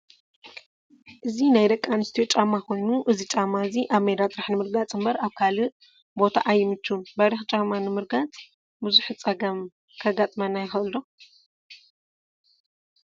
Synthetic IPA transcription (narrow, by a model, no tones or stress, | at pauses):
ʔɨzinajd̪ɐkʼːanɨst̪ʰiot͡ʃʼamːakʰo̞jnuʔɨzit͡ʃʼamːaziʔaβmed̪at̪ʼɨɾaħnɨmɨɾɡat͡sʼɨmbɐɾaβkʰalɨ | bo̞t̪ʰaʔajːɪmɨt͡ʃːubaɾixt͡ʃʼamanɨmɨɾɡat͡sʼ | bɨzuħt͡sʼɐɡɐm | kʰɐɡat̪ʼmɐnːajɪxɨʔɨlːo